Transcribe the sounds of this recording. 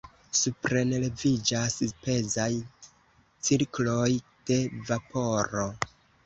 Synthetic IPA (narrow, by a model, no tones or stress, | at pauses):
supɾe̞nele̞vid͡ʒaspe̞zaj | t͡siɾklojd̥e̞vapo̞ɾo̞